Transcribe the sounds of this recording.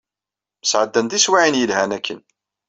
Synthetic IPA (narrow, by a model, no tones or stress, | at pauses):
məsʕəd̪ːænd̪iswaʕinjəlhænækːə̰n